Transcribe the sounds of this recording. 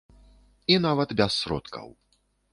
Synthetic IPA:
inavɐt̪bʲɛsːɾɔ̰t̪kɐ̰w

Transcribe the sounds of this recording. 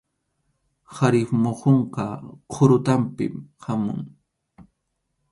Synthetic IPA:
haɾɪfmoqoɴqɑqʰʊɾʊt̪ampɪ̰mhamʊ̰ŋ

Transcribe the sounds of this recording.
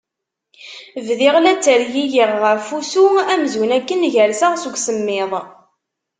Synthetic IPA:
vðɪʁlæt͡sːəɾjijiʁːəfusuæmzwnækːənʝæɾsaʁsuɡʷsəmːɪðˤ

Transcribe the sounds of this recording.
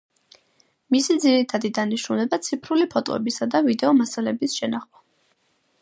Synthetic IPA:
misid̪ziɾit̪ʰad̪id̪aniʃɾunɛbat̪sʰipʰɾulipʰɔt̪ʼɔ̰ɛ̰bisad̪avid̪ɛɔmasalɛbisʃɛnaχma

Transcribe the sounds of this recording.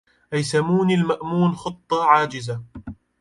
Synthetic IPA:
ʔajsamuːnilmaʔmuːnxɨt̪ˤːɑʕaːd͡ʒɪza

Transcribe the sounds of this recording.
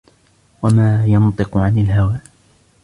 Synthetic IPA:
wamaːjɑnt̪ˤɨqʊʕanɪlɦawaː

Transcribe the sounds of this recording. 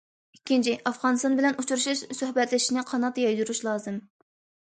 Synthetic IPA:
ikʲːint͡ʃʰiʔɑfʁɑnɨst̪ɑnbɪlɛnut͡ʃʰuɾuʃuʃsøhbɛt̪lɪʃinɪqʰɑnɑt̪ːjɑjd̪uɾuʃlˠɑːzɨm

